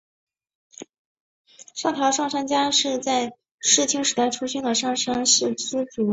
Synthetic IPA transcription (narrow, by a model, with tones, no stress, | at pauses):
ʂɑ˥˩ŋt̪jɑ˧˥ʊʂɑ˥˩ŋʂa˥nt͡ɕja˥ʂɻ̩˥˧t͡sa˥˧ɪ | ʂɻ̩˥˩t͡ɕʰi˥ŋʂɻ̩˧˥t̪a˥˩ɪʈ͡ʂʰu˥ɕi˥ŋd̪ə˨ʂɑ˥˩ŋʂa˥nʂɻ̩˥˩t͡sɹ̩˥t͡su˨˧˩